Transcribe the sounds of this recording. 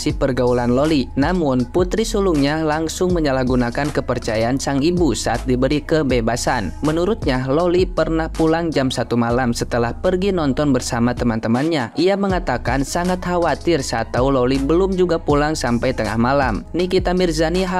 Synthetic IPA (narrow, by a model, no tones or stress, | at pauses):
sipərɡaulanlɔlinamʊnput̪ɾisuluŋɲalaŋsʊŋməɲəlahɡunakankəpərt͡ʃajaːnsaŋibusaʔat̪̚dibəɾikəbebasanmənuɾʊt̪̚ɲalɔlipərnahpulaŋd͡ʒamsat̪umalamsət̪əlahpərɡinɔnt̪ɔnbərsamat̪əmant̪əmanɲaʔiaməŋat̪akansaŋat̪hawat̪ɪrsət̪aulɔlibəlʊmd͡ʒuɡapulaŋsampajt̪əŋa̰hmalamnikit̪amirzaniɦ